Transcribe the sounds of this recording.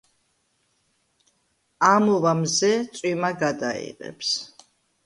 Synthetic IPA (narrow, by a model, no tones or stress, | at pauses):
amɔvamzɛt̪sʼwimaɡad̪a̰ḭqʼɛ̰pʰs